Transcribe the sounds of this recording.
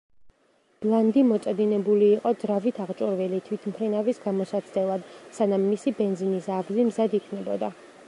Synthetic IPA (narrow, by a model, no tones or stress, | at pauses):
b̥lˠand̪imɔt̪sʼɛd̪inɛbuliːqʼɔd̪zɾavit̪ʰaʁt͡ʃʼuɾvilit̪ʰwit̪ʰmχʰɾinavisɡamɔsat̪sʰd̪ɛlˠad̪sanamːisibɛnzinisaɡzimzad̪ikʰnɛbɔd̪a